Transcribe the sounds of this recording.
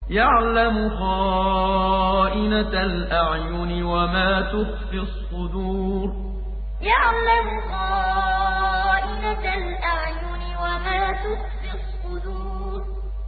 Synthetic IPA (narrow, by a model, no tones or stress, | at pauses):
jaʕlamʊɣɑː | ʔɪnaalʔaʕjʊnɪwamaːt̪ʊxfisˤːʊd̪uːɾ | jaʕlamʊɣɑː | ʔɪnalʔaʕjʊnɪwamaːt̪ʊxfɪsˤːʊd̪uː | ɾ